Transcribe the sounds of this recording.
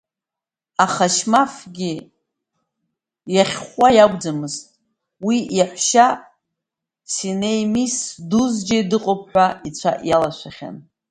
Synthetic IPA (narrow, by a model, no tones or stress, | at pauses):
aχaʃmafɡʲi | jaχʲχʷajaɡʷʼd͡zamɨztʼ | wijaħʷʃa | sinejmisduzd͡ʒadɨqʼop̚ʰħʷait͡ɕʷʰa̰ʔjalaʃʷaχʲa̰n